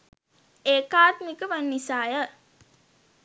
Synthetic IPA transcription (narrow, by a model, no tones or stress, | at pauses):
eːkaːt̪mikəʋanːisaːjə